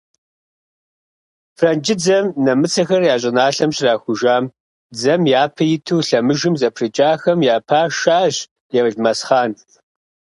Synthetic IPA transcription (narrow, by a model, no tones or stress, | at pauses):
frɐnd͡ʒɪd͡zɐmnɐmɨt͡sʰɐxɐrjaːɕʼɪnaːɬɐmɕʼraːxʷʊʒaːm | d͡zɐmjaːpʰɐjɪtʰuːɬɐmɨʒɨmzɐpʰrɨt͡ʃʼaːxɐmjaːpʰaːʃaːʑ | jɛvʒmɐsχaːn